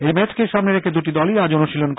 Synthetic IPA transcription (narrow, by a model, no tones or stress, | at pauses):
emɛt͡ɕkeʃamneɾekʰed̪uʈid̪ɔliad͡ʑonoʃilonk